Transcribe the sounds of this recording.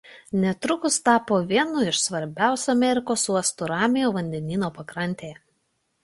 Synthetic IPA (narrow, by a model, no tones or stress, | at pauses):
nʲɛt̪ɾʊkʊst̪ɑːpoːʋʲiɛnʊɪʃsʋɐɾʲbʲæˑʊsʲuɐmʲɛɾʲɪkoːsuɔɐst̪ʊɾɑːmʲɪjoːʋɐnʲd̪ʲɛnʲiːnoːpɐkɾɐnʲt̪ʲejɛ